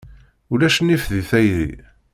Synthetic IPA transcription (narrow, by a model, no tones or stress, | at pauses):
ulæʃənːifðiθæjðḭ